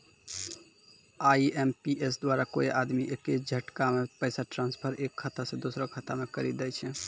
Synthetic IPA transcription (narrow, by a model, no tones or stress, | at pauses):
aiempiesd̪waɾakoiʔad̪miʔeked͡ʒʱəʈkamepəsaʈɾãnspʰəɾekʰːət̪asẽd̪osɾokʰət̪amekəɾid̪ɛjt͡ʃʰɛ